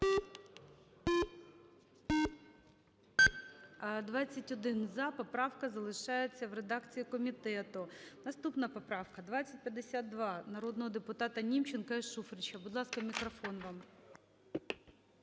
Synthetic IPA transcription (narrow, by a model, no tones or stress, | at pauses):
d̪ʋɑt͡sʲːɐtʲɔd̪ɪnzɑpɔpɾɑwkɐzɐlˠɪʃɑjet͡sʲːɐwɾed̪ɑkt͡sʲijikɔmʲit̪ɛt̪ʊnɐst̪upnɐpɔpɾɑwkɐd̪ʋɑt͡sʲːɐt̚ʲpʲjɐd̪ːesʲad̪ːʋɑnɐɾɔd̪nɔɦɔd̪epʊt̪ɑt̪ɐnʲimt͡ʃenkɐiʃufɾɪt͡ʃɐbʊd̪lˠɑskɐmʲikɾɔfɔnʋɑm